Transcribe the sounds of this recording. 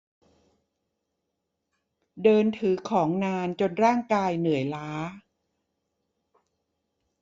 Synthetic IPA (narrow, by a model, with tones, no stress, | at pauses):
dɤː˧nt̪ʰɯː˩˦kʰɔː˩˦ŋnaː˧nt͡ɕo˧nɾaː˥˩ŋkaː˧jnɯ˩˦əjlaː˦˥